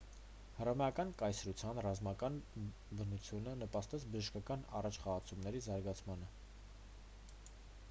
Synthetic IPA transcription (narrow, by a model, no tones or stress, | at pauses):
hərɑmɛjɑkɑnkɑjsɾut͡sʰjɑnrɑzmɑkɑn | bənut͡sʰjunənəpɑst̪ɛt͡sʰbəʒəʃkɑkɑnɑ̰rɑt͡ʃʰχɑʁɑt͡sʰumnɛɾizɑɾɡɑt͡sʰmɑnə